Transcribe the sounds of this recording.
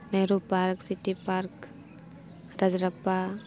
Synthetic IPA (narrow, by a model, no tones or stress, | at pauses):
neɾupaɾksiʈipaɾk | ɾad͡ʒɾapːa